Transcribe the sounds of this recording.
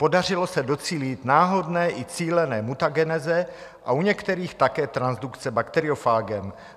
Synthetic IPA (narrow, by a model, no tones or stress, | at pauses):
po̞dar̝ɪlo̞sɛdo̞t͡siːlit̪naːɦo̞dnɛːʔɪt͡siːlɛnɛːmut̪aɡɛnɛzɛ | ʔauɲɛkt̪ɛɾiːxt̪akɛːt̪ɾanzdukt͡sɛbakt̪ɛɾɪofaːɡɛm